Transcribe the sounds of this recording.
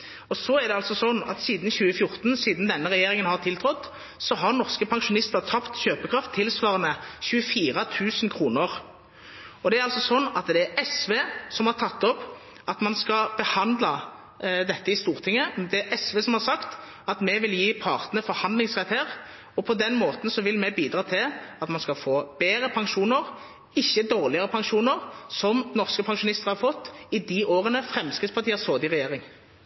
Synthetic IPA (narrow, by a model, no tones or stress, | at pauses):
ɔsɔæɾd̪ɛɑlsɔsɔnːɑ̰t̪siːd̪nçʉːəfjʊɾt̪nsiːd̪nd̪ɛnːəʁɛjeːʁɪŋənhɑʁt̪ʰɪlt̪ʰɾɔt̪ː | sɔɦɑɾnɔʁskəpʰɑŋʂʊnɪst̪əʁt̪ʰɑpt̪çøːpəkʰɾɑft̪ʰːɪlsʋɑːʁənəçʉːəfiːʁɑt̪ʰʉːsnkʰɾuːnəʁ | ɔd̪ɛæɾɑlsɔsɔnːɑt̪d̪ɛæɾɛsʋeːsɔmhɑɾt̪ʰɑt̪ːɔp | ɑt̪mɑnskɑb̥əhɑnd̪lɑ | d̪ɛt̪ːəɪst̪uːʁt̪ʰɪŋːəd̪ɛæɾʔɛsʋeːsɔmhɑɾsɑkt̪ | ɑt̪mɛʋɪljiːpʰɑːʁt̪nəəfɔɾhɑnd̪lɪŋsʁɛt̪ːhæːʁ | ɔpʰɔd̪ɛnmoːt̪n̩sɔʋɪlmɛbiːd̪ɾɑːt̪ʰɪlɑt̪mɑnskɑfoːb̥eːɾəpʰɑŋʃuːnəʁ | ɪçːəd̪oːʁlɪəʁəpʰɑŋʃuːnəʁsɔmnɔʁskəpʰɑŋʂʊnɪst̪əʁhɑɾfɔt̪ːɪd̪iʔoːʁənəfɾɛmskʁɪt̪spɑt̪ʰiːəshoːd̪ɪʁɛjeːʁɪŋ